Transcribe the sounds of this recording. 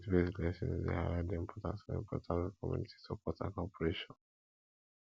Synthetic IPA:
tbeslɛsɔ̰̃nḭzḛha̰ɾãdĩmpʰɔtã̰nsɔnɛ̰̃mpʰɔtʰãnkɔmjṵniti̥topɔtã̰kɔpɔɹeʃɔ̃n

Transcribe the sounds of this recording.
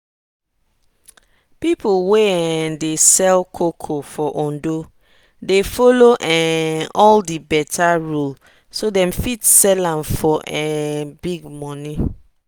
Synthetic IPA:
pipolweɛndesɛlkʰokʰofɔʔõndo | defoloʔɛɔldibɛtʰaɹul | sodɛ̃mfitsɛlãmfɔʔɛbiɡmɔ̃nĩ

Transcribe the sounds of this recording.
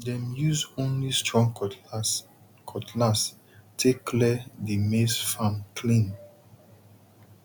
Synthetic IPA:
dɛ̃mjuzõnlistɹɔ̃ŋ | kʰɔtʰlas | tʰekʰːlɛdimesfãmkʰlĩn

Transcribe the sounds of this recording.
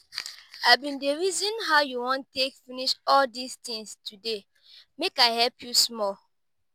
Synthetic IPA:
abĩndeɹizɔ̃nɦaʊjuwɔ̃ntekfĩniʃɔldist̪ĩŋstʰude | mekaɪhɛlpʰjusmɔl

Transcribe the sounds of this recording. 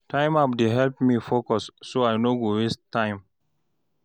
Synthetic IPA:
tʰãɪ̃map̚deɦɛlpmifokɔsːoajnoɡowestʰːãɪ̃m

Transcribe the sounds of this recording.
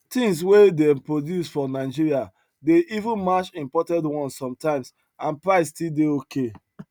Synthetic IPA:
tĩŋs̬wedɛmpɹodjusfɔnaɪd͡ʒiɹia | deʔivũnmat͡ʃĩmpɔtɛ̃ndwɔ̃nssɔ̃mtãɪ̃ms | ãnpɹaɪstildeokʰe

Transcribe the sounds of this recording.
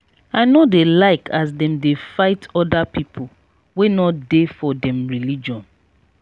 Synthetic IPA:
aɪnodelaɪkʰas̬dɛ̃mdefaɪtɔdapipʰo | wenɔtdefɔdɛ̃mɹilid͡ʒɔ̃n

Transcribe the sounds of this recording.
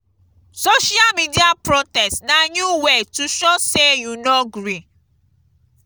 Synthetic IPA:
soʃialmidiapɾɔtɛstnãɲuwetuʃɔsejunɔɡɾi

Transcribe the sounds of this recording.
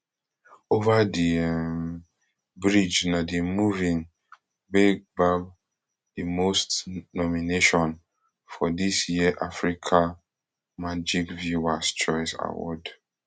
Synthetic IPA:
ovadim | bɹid͡ʒnadimuvĩŋ | bebab | dimostnɔmineʃɔ̃n | fɔdisjiəʔafɹikʰa | mad͡ʒikvjuwast͡ʃɔɪsa̰wɔ̰d

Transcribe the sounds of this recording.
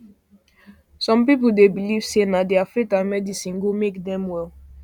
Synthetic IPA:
sɔ̃mpip̬l̩debiliv̥senadiafɹikãnmɛdisĩnɡomekdɛ̃mwɛl

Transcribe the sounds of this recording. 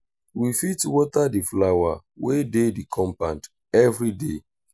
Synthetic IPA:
wifitwɔtadiflawa | wededikʰɔ̃mpãnt | ɛvɾide

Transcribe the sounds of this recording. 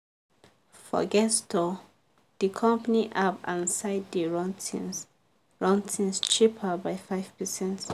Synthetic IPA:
fɔ̰ɡɛstʰɔ | d̥ikʰɔ̃mpaniʔapã̰nsaɪddiɹɔ̃ntʰḭ̃n | ɹɔ̃ntʰĩnst͡ʃipʰəbaɪfaɪv̥pəsɛ̃nt

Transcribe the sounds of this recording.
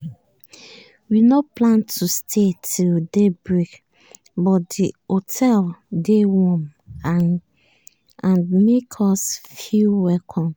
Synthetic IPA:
winoplãntʰustʰetʰildebɹik | bɔtdiotʰɛldewɔ̃ma | ãnmekʰɔsfilwɛlkʰɔ̃m

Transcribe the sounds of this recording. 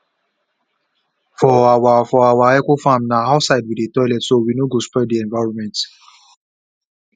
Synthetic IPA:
fɔawafɔawaɛkofãmnaɦaʊsaɪdwidetɔɪlɛtsowinoɡospɛdiɛ̃nvaɹɔ̃nmɛ̃nt

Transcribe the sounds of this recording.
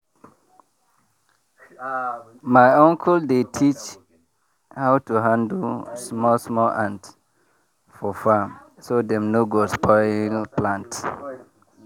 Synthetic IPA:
maɪɔ̃ŋkʰɔldetʰit͡ʃ | haʊtuɦãndsmɔlsmɔlãnt | fɔfamsodɛ̃mnoɡospɔlɪ̃ŋpʰlãnt

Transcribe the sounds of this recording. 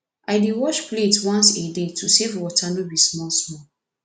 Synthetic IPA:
aɪdiwɔʃpletwãnsedetʰusevwɔtʰanũbismɔlsmɔ

